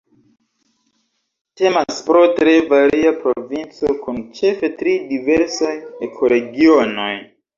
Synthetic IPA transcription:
te̞maspɾo̞tɾe̞vaɾiapɾovint͡so̞kunt͡ʃe̞fe̞tɾidive̞ɾsajekʰo̞ɾe̞ɡiono̞̰j

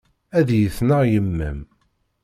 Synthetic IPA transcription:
æðjəθnəʁjəmːæ̰m

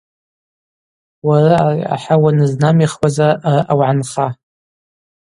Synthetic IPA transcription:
waraa̰ħawanɨznamiχwazaaraʔawʕanχa

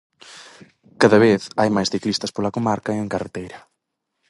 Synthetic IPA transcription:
kaðɐβeθajmajsθiklist̪ɐspolɐkomaɾkaeeŋkaret̪ejɾɐ

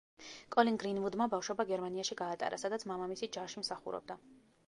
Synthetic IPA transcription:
kʼɔliŋɡɾinvud̪mabafʃɔbaɡɛɾmaniaʃiɡaːt̪ʼa̰ɾa̰sad̪at̪sʰmamamisid͡ʒaʃimsaχṵɾɔ̰b̚d̪a

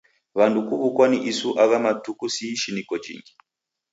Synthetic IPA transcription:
βandukuβukwaniʔisuʔaβamatukusiiʃinikɔd͡ʒḭŋɡi

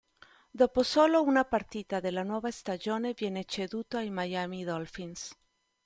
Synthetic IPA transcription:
d̪oposo̞lo̞unapaɾt̪it̪aðelanweβaest̪aʝo̞neβje̞net͡ʃeðut̪oaimajamiðolfins

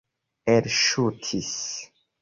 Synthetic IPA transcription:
eɾʃutʰis

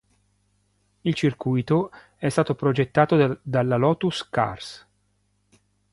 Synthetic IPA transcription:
ilt͡ʃirkujt̪o | ɛst̪aːt̪opɾod͡ʒet̪ːaːt̪od̪alːalɔːt̪uska̰rs

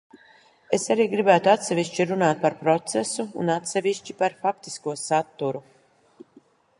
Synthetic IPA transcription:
esaɾiːɡɾibæːt̪uat̪sɛviʃt͡ʃiɾunaːt̪̚paɾpɾɔt̪sesuṵnat̪sɛviʃt͡ʃipaɾfak̚t̪i̥skuɔsat̪ːuɾu

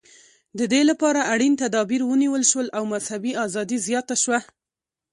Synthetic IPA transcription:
d̪əd̪elapɑɾaʔaɽint̪ad̪ɑbiɾwəniwəlʃwəlʔawmazhabiɑzɑd̪izjɑt̪aʃwa

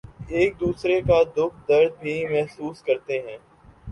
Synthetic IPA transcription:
eːk̚d̪uːsɾekad̪ʊk̚ʰd̪ɐɾd̪̚bʱimɛɦsuːskɐɾt̪eɦɛ̃ː

